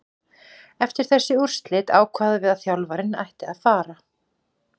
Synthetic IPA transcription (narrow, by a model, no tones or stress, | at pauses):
ɛft̪ɪɾ̥θɛsːɪur̥st̪lɪːt̪aːwkʰvaːðɪvɪðaθjawlvaɾɪna̰jht̪ɪaðfaːɾa